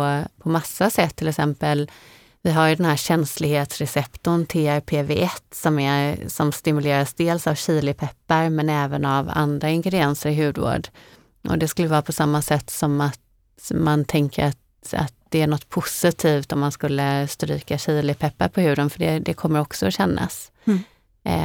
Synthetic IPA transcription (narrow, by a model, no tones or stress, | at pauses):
ɔpʰɔmasːasɛt̪ʰːɪlɛksɛmpəl | vɪɦaɾjɵd̪ɛnɦæːɾɕɛnslɪɡheːt̪sɾɛsɛpt̪ʊnt̪ʰeːæɾpʰeːveːʔɛt̪ːsɔmæsɔmst̪ɪmɵleːɾasd̪eːlsavɕiːlɪpʰɛpːaɾmɛnɛːvənava̰nd̪ɾaɪŋɡɾɛd̪ɪɛnsəɾɪɦʉ̟ːd̪vo̰ːɖ | ʔɔ̰d̪ɛskɵlːəvɑːɾapʰɔsamːasɛt̪ːsɔmat̪ | mant̪ʰɛŋkəɾat̪̚ | a̰t̪̚d̪ɛæɳɔt̪ːpʰʊsɪt̪ʰiːft̪ɔmːanskɵlːəst̪ɾy̰ːkaɕiːlɪpʰɛpːaɾpʰɔhʉ̟ːd̪ənfœɖɛd̪ɛkʰɔmːəɾɔksɔɔɕɛnːa̰s